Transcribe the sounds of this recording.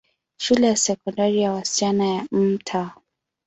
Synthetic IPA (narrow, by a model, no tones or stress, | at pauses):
ʃulɛjasɛkɔndaɾijawasi̥t͡ʃanajam̩tʰa